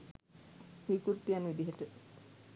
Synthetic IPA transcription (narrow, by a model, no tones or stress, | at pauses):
ʋikuɾt̪ijanʋid̪iɦeʈə